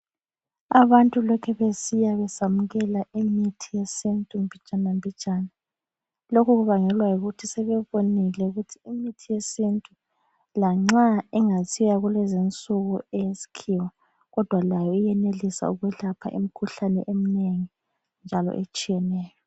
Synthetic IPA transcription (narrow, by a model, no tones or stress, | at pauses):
aβantʼulɔkʰɛβesijaβɛsamuɣɛlaʔimitʰijesintʼumbʱit͡ʃʼanambʱit͡ʃʼaːna | lokʰuɣuβaŋɛlwajuɣutʰisɛβɛβonilɛuɣutʰiimitʰijesintʼu | laŋ͡ǁaɛŋasʰijaɣulɛzint͡sʼuɣuɛjesi̥kʰiwɔ | ɣɔd̥ʱwalajɔijɛnelisa̰uɣwɛɬapʰa̰ʔḭm̩kʰuɬanɛ̰ʔem̩neŋi | nd͡ʒʱalɔ̰ʔḛt͡ʃʼijɛnɛːjɔ